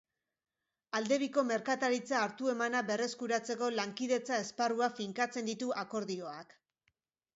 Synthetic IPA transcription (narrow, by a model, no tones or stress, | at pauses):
ald̪e̞β̞iko̞me̞ɾkat̪aɾit͡saːɾt̪ue̞manaβe̞re̞skuɾat͡se̞ko̞laŋkiðe̞t͡sae̞sparuafiŋkat͡se̞nd̪it̪uʔako̞ɾðio̞ak